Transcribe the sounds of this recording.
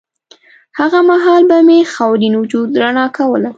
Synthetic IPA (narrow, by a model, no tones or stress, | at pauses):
haɣamaɦɑlbamexawlinwʊd͡ʒud̪ːɾanɑkawəla